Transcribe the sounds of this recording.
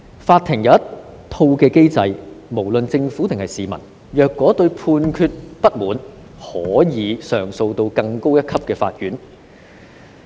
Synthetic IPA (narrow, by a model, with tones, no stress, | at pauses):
faː˧t̪ʰɪ˨˩ŋjɐ˨˧jɐ˥t | t̪ʰo˧wkɛː˧ke˥jt͡sɐ˧jmo˨˩wlɵ˨nt͡sɪ˧ŋfuː˨˥t̪ɪ˨ŋhɐ˨jsiː˨mɐ̰˨˩n | jœː˨˧kːɔː˨˥t̪ɵ˧ɥpʰuː˧nkʰyː˧t̚pɐ˥t̚muː˨˥n | hɔː˨˥jiː˨˧sœ̰ː˨˩ŋso˧wt̪o˧wkɐ˧ŋko˥wjɐ˥t̚kʰɐ˥p̚kɛː˧fa̰ː˧t̚jyː˨˥n